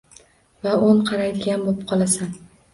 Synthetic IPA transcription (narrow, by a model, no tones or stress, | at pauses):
vaonqʰɑɾajd̪ɪɡʲanbopqʰɒlˠasan